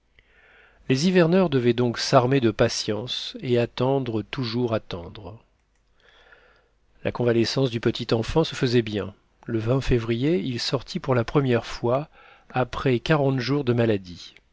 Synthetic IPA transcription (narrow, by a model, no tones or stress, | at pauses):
lezivɛʁnœʁd̪əvɛd̪ɔ̃ksaʁmed̪əpasjɑ̃seat̪ɑ̃d̪ʁət̪uʒuʁat̪ɑ̃d̪ʁ | la̰kɔ̃valesɑ̃sd̪ypət̪ʰit̪ɑ̃fɑ̃səfəzɛbjɛ̃ | ləvɛ̃fevʁijeilsɔʁt̪ʰipuʁlapχəmjɛʁfwaː | pχɛkaʁɑ̃t̪ʒuʁd̪əmalad̪i